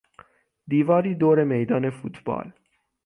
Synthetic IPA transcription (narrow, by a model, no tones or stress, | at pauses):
d̪ivaɾid̪oɾemejd̪anefut̪ba̰l